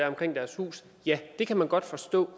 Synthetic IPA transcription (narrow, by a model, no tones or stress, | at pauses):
æɐɒ̽mkʁeŋ̰d̥æɐshṵːs | jæd̥e̝kʰæmænɡ̥ɒ̽d̥fɒ̽sd̥ɔ̰̽ː